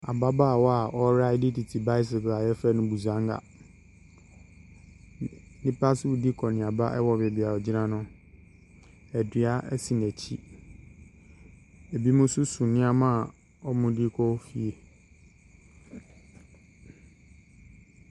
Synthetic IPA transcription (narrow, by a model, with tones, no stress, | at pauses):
a˨ba˦baː˦˨wɔ˦a˨ʔɔ˦ɾa˦ɪ˦dɪ˦ti˨tʰi˨ba˦ɪ˦s̬ɪ˨ka˨jɛ˦fɛ˦nʊ̃˦bu˨zã˦ŋɡa̰˨ | nĩ˦pʰa˦sʊ˦wu˨di˦kʰɔ˨nɪ̃˨a˨ba˦ʔɛ˦wɔ˨bɛ˨bi˨a˨ɔ˨d͡ʑi˦nã˦nʊ̃˦ | æ˨dɥa˦ʔɛ˦sĩ˨n˨æ˨t͡ɕʰi˦ | e˨bi˦mʊ̃˦sʊ˦sũ˨nɪ̃˦a˦mã˦˨ | ɔ˦mʊ̃˦di˦kʰɔ˦fi˨e˨